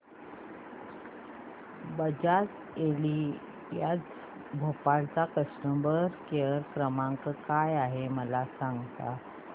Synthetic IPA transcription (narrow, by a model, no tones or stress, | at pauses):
bəd͡ʑat | eli | jad͡z | bʱopaɭt͡sakəsʈəmbəɾkeəɾkɾəmaŋkkajaɦeməlasaŋɡt̪a̰